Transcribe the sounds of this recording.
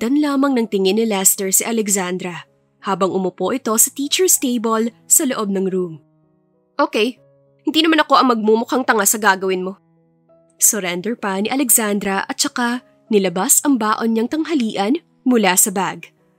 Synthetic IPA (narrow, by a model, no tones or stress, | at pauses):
d̪ɐnlaːmɐŋnɐŋt̪ɪŋɪnːɪlast̪ɛɹsɪʔɐlɛɡsand̪ɾɐ | haːbɐŋʔʊmʊpo̞ʔɪt̪o̞sɐt̪iːt͡ʃɛɹst̪ejbolsɐloʔo̞b̚nɐŋɾum | ʔoːkɛj | hɪnd̪iːnɐmanɐko̞ʔɐŋmɐɡ̚muːmʊkaŋt̪ɐŋasɐɡaːɡɐwɪnmo̞ | sʊɾɛnd̪ɛɹpɐnɪʔɐlɛɡsand̪ɾɐʔɐt̪̚t͡ʃɐka | nɪlɐbasɐŋbaːʔo̞nɲɐŋt̪ɐŋɦɐliːʔɐn | mʊlasɐbaɡ